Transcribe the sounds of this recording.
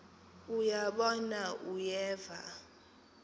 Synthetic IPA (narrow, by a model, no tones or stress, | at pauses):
ujaɓɔnaʔujɛːva